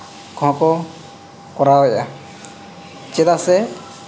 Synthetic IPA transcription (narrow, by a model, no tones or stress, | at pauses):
kʰɔ̃kɔ | kɔɾawɛʔa | t͡ʃɛd̪asɛ